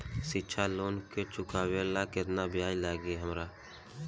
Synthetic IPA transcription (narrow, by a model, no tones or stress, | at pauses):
sɪtːt͡ʃʰaloːnket͡ʃʊkaːwelakɪt̪nabɪjaːjlaːɡiɦəmɾaː